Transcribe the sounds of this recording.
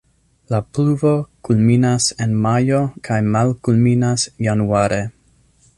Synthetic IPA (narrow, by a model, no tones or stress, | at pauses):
lapluvo̞kulminasenmajokʰajmalkulminasjanuaɾe